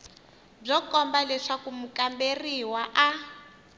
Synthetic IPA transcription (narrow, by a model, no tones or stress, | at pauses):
b͡ʐɔkɔmbalɛʂakumukamberiwaʔa